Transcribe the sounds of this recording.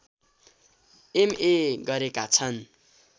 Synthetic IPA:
emeɡʌɾekat͡sʰʌn

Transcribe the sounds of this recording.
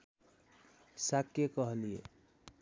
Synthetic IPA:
sakːekʌɦʌniḛ

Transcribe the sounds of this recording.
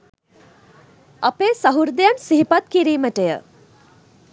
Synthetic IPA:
ɐpeːsɐɦuɾd̪ejansiɦipat̪̚kiɾiːməʈejə̰

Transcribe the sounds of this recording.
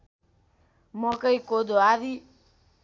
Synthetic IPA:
mɔkəikod̪oaði

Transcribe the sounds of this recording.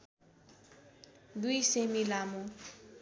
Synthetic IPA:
d̪ujsemilamu

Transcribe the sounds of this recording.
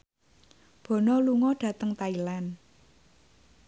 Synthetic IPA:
b̥ɔ̤nɔluŋɔɖ̥ä̤t̪əŋt̪ailan

